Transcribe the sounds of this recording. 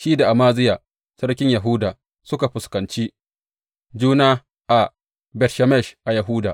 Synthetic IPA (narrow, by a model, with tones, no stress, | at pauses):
ʃiː˦da˨ʔa˨maː˦zɪ˦jaː˨ | sɐ˦ɽkʲɪ˦ɲja˨ɦʊ˦daː˨ | sʊ˦ka˨ɸʊ˨skɐ˨nt͡ʃiː˦ | d͡ʒuː˦naː˦ | ʔa˨ | bɛ˨rʃa˨mɛ˦˨ʃʔa˨jɐ˨ɦʊ˦daː˨ʔ